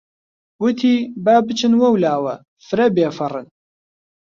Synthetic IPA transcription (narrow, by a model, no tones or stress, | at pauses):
wʊt̪ʰiːbaːbɨt͡ʃʰɨnwɐwlaːwɐ̰ | fɨɾɐbeːfɐrɨn